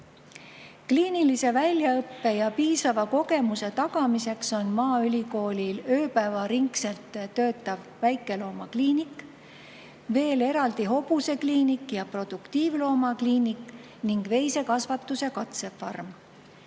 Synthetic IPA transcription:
kliːnilise̞vælʲjɑɤpːe̞jɑpiːsɑvɑko̞ɡe̞muse̞t̪ɑɡ̥ɑmise̞kso̞nmɑːylʲiko̞ːlʲilø̞ːpævɑɾiŋkse̞lt̪ˑːøːt̪ːˑɑv | væjkːˑe̞lo̞ːmɑkliːnikˑ | ve̞ːle̞ɾɑld̪̥iɦo̞buse̞kliːnikːjɑpro̞d̪̥ukt̪iːvlo̞ːmɑkliːnikːˑ | niŋɡ̥ve̞jse̞kɑsvɑt̪ːuse̞kɑt̪se̞fɑrm

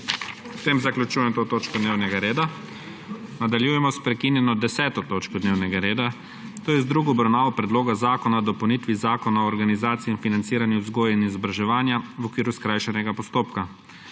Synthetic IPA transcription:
ut̪eːmzaklʲut͡ʃujɛmt̪oːt̪oːt͡ʃkɔd̪neːwnɛɡaɾeːd̪a | nad̪aljujɛmɔspɾɛkinjɛnɔd̪ɛsɛːt̪ɔt̪oːt͡ʃkɔd̪neːwnɛɡaɾeːd̪a | t̪oːjɛzd̪ɾuɡɔːbɾawnaːʋɔpɾɛd̪loːɡazaːkɔnad̪ɔpɐwnit̪ʋizaːkɔnaɔːɾɡanizaːt̪siiːnfinant̪siːɾanjuzɡoːjainizɔbɾaʒɛʋaːnjaʋɔkʋiːɾuskɾajʃɛnɛɡapɔst̪oːpka

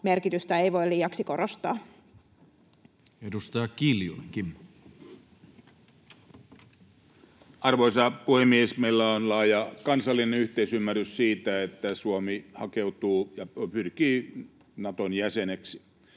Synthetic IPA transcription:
merkit̪yst̪æeiʋo̞iliːɑksiko̞rost̪ɑː | edust̪ɑjɑkiljo̰leŋkimː | ɑrʋoisɑpuhemːiesmeilːæonlɑːjɑkɑnsɑlːinenyht̪eisymːæryssiːt̪æet̪ːæsuomihɑkeut̪uːjɑpyrkiː | nɑt̪onjæseneksi̥

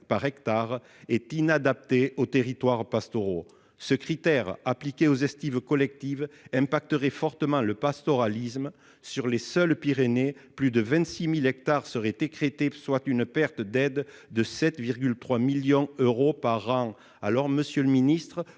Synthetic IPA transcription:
paʁɛkt̪aʁ | ɛt̪inad̪ap̚t̪eot̪eʁit̪waʁpast̪ɔʁo | səkχit̪ɛʁaplikʲeozɛst̪ivkɔlɛk̚t̪ivɛ̃pak̚t̪əʁɛfɔʁt̪əmɑ̃ləpast̪ɔʁalism | syʁlesœlpiʁeneplyd̪əvɛ̃nt̪similɛk̚t̪aʁsəʁɛd̪ekχet̪eswat̪ynpɛʁt̪əd̪ɛd̪d̪əsɛt̪viʁɡʲylt̪χwamiljɔ̃øʁopaʁːɑ̃ | alɔʁməsjələminist̪χə

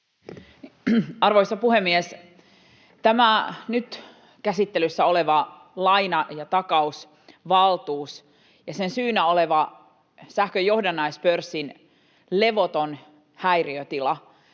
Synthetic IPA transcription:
ɑrʋoisɑpuhemːies | t̪æmænyt̪ | kæsit̪ːelysːæo̞le̞ʋɑ | lɑjnɑjɑt̪ɑkɑus | ʋɑlt̪uːs | jɑsensyːnæoleʋɑ | sæhkøjo̞hdɑnːɑispørsːin | le̞ʋo̞t̪on | hæjriøt̪ilɑ

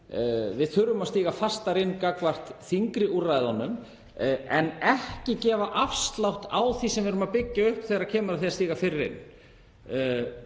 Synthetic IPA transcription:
vɪðθʏɾʏmast̪iːɣafast̪aɾɪnːkakvar̥t̪θiŋkɾɪʔuraːjðanːʏm | ɛnɛhcɪcɛːvaʔafst̪lawht̪awθisɛmvɪɾʏmapɪcːaʏhpθɛːɣɾacʰɛːmaɾaθiast̪iːɣafɪɾɪɾɪ̰nː

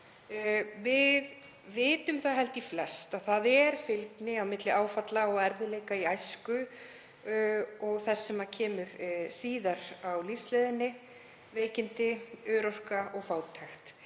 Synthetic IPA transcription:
vɪð | vɪːt̪ʏmθaðɦɛlt̪iflɛst̪aðθaðɛɾ̥fɪlknɪawmɪt̪lɪaːwfat̪laɔɣɛɾvɪðleːjkaiajskʏ | ɔɣθɛsːɛmacʰɛːmʏɾsiːðaɾawlifsleːðɪnːɪ | veːjcɪnt̪ɪʏːɾɔr̥kaɔɣfaːwt̪ʰajxt̪

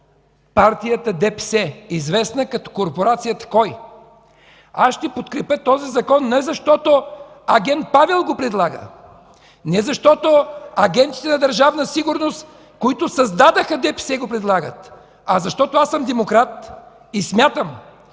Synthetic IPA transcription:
paɾt̪ijət̪əd̪ɛpɛsɛizvɛsnəkɐt̪ɔ̥koɾpoɾat̪sijət̪ə̥kɔj | asʃt̪ɛpot̪kɾɛpʲət̪ɔzizɐkɔnːɛzɐʃt̪ɔt̪o | ɐɡʲɛnt̪̚pavɛlˠɡopɾɛd̪lˠaɡə̰ | nɛzɐʃt̪ɔt̪oɐɡɛnt̪i̥t̪ɛnɐd̪ɐɾʒavnəsiɡʊɾnost̪ | koit̪ʊsɐzd̪ad̪əxəd̪ɛpɛsɛɡopɾɛd̪lˠaɡət̪ | ɐzɐʃt̪ɔt̪oasəmd̪ɛmokɾat̪ | ismʲjat̪əm

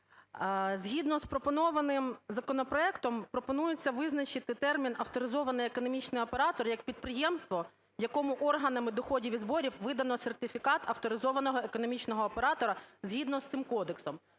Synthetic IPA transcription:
zʲɦʲid̪nɔspɾɔpɔnɔʋɐnɪmzɐkɔnɔpɾɔɛkt̪ɔmpɾɔpɔnujʊt͡sʲːɐʋɪznɐt͡ʃɪt̪ɪt̪ɛrmʲinɐft̪ɔɾɪzɔʋɐnɪjekɔnɔmʲit͡ʃnɪjɔpeɾɑt̪ɔrjɐk̚pʲid̪̚pɾɪjɛmst̪ʋɔ | jɐkɔmʊʔɔrɦɐnɐmɪd̪ɔxɔdʲiʋʲizbɔɾʲiwʋɪd̪ɐnɔsert̪ɪfʲikɑt̪ɐft̪ɔɾɪzɔʋɐnɔɦɔekɔnɔmʲit͡ʃnɔɦɔːpe̞ɾɑt̪ɔɾɐzʲɦʲid̪nɔst̪sɪmkɔd̪eksɔm

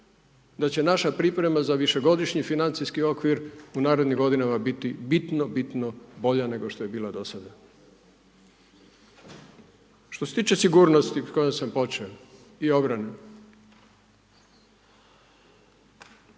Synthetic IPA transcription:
d̪at͡ɕe̞naʃapɾipɾe̞mazaʋiʃe̞ɡo̞d̪iʃɲifinant̪siskio̞kʋiɾunaːɾed̪niɡo̞d̪inamabit̪ibit̪nobit̪nobo̞ʎane̞ɡo̞ʃt̪o̞je̞biːlad̪osad̪a | ʃt̪ose̞t̪iːt͡ʃe̞siɡuːɾno̞st̪iko̞josampo̞t͡ʃeo | io̞bɾane

